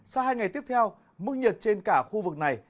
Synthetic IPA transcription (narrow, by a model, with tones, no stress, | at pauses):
saː˧wɦaː˧jŋ˨˩jt̪i˦˥əp̚t̪ʰɛ˧w | mɨ˦˥k̚ɲə˨˩t̚t͡ɕe˧nkaː˧˩xu˧vɨ˨˩k̚na˨˩j